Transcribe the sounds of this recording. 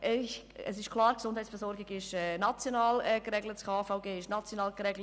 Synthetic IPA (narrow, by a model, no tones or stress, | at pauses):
ʔɛç | ə̰sɪʃkʰl̥ˠɑːɾksʊnd̥hɛjt͡sfɛɾsɔɾɡɪɡɪʃɛnɑt͡sjonɑːlɛkɾɛɡlətt͡skʰɑːfaʊɡeːɪʃnɑt͡sjonɑːlkɾɛɡlə